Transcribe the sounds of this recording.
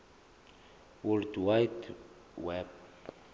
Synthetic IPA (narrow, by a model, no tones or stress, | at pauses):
wuldwajt | wɛb̚